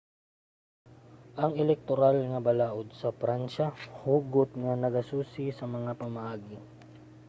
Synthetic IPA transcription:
ʔɐŋɛlɛk̚t̪oɾalŋɐbɐlaːʔod̪̚sɐpɾanʃahuːɡot̪̚ŋɐnɐɡɐsuːsɪsɐmɐŋapɐmɐʔaːɡɪ

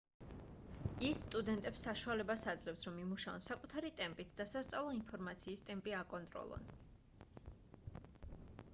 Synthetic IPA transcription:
isːt̪ʼud̪ɛnt̪ʼɛpsaʃualɛbasad̪zlɛpsɾɔmimuʃaɔ̰nsakʼut̪ʰaɾit̪ʼɛmpʼit̪ʰd̪̥asast̪sʼavlˠɔinpʰɔɾmat̪sʰiːst̪ʼɛmpʼiakʼɔnt̪ʼɾɔ̰lˠɔ̰n

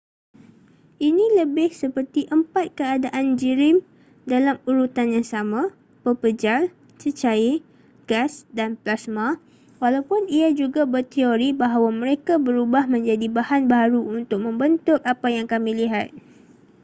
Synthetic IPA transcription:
ʔinĩləbɪhsəpərt̪iʔəmpat̪̚kəadaʔand͡ʒiɾɪm | dalamuɾut̪anjaŋsamã | pəpəd͡ʒal | t͡ʃət͡ʃai | ɡ̥asdanplasma | walawpʊniad͡ʒuɡabərt̪ioɾibaɦawamə̃ɾekabəɾubahmə̃ɲd͡ʒadibahanbaɾuunt̪ʊk̚mə̃mbənt̪ʊk̚apajaŋkamĩliɦat̪̚

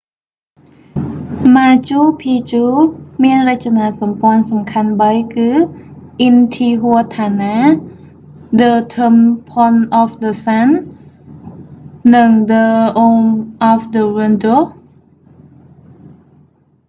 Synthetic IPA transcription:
maːt͡ɕuːpʰiːt͡ɕuːmiənrɨc̚t͡ɕanaːlsɑmpoənsɑmkʰanɓəjkɨːʔint̪ʰiːɦuət̪ʰaːnaː | dət̪ʰəmpʰonʔɔfdəsan | ɨŋdəʔoŋʔɔfdəwindo

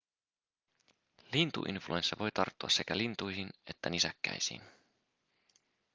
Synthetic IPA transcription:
lint̪ṵʔḭnflʔuensːæʋo̞jt̪ɑrt̪ːuɑsːe̞kælint̪ujɦine̞t̪ːænisækːæ̰jsḭːn

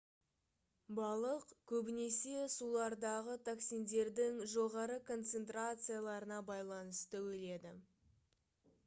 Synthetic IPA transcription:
bɑlˠəqkʲʰɵbɪne̞se̞sulˠɑɾd̪ɑʁət̪ʰaksijnd̪e̞ɾd̪ɪŋʒo̞ʁɑɾəkʰo̞nt̪se̞nt̪rat̪sɨjalˠɑɾənɑbɑjlˠɑnəst̪ʰæwe̞le̞d̪ɪ

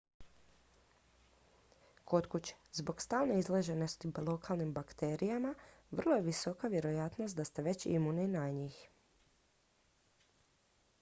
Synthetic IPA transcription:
kʰo̞t̪kut͡ɕe̥zbo̞kst̪aːlneizleʒenost̪ilo̞kalˠnimbakt̪e̞ɾijamaʋr̩lˠo̞jeʋiso̞kaʋje̞ɾo̞jat̪no̞st̪d̪ast̪eʋe̞t͡ɕḭmuninajɲiːx

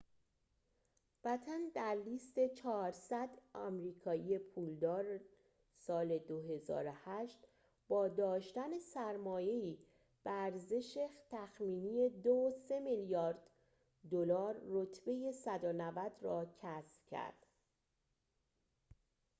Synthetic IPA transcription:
væt̪ʰænd̪æɾliːst̪e̞t͡ʃʰɒːɾsæd̪ɒmɾiːkʰɒːije̞pʰuːld̪ɒːɾ | sɒːle̞d̪o̞ɦe̞zɒ̰ːɾohæʃt̪ | bɒːd̪ɒːʃt̪æne̞sæɾmɒːje̞iː | b̥eæɾze̞ʃet̪ʰæxmiːnije̞d̪ose̞miljɒːɾd̪̥ | d̪olɒːɾːot̪ʰbe̞je̞sæd̪onævæd̪rɒːcʰæsb̥cʰæ̰ɾd̪̥

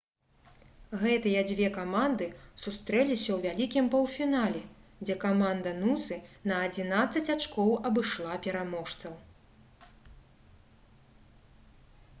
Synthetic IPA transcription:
ɣɛt̪ɨjɐd͡zʲvʲɛkamand̪ɨsust̪ɾɛlʲisʲɐwvʲalʲikʲimpɐwfʲinalʲɛd͡zʲɛkamand̪ɐnusɨnɐːd͡zʲinat̪sɐt͡sʲat͡ʂkɔwɐbɨʂlˠapʲɛɾamɔʂt̪sɐw

